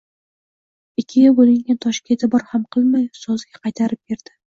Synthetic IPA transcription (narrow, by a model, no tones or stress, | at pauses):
ɪkʲʰːɪjabolɪŋɡʲant̪ʰɒʃkʲʰet̪ʰɪbɒɾhamqʰɨlˠmajsozɡʲaqʰɑjt̪ʰaɾɪp̚be̞ɾd̪ɪ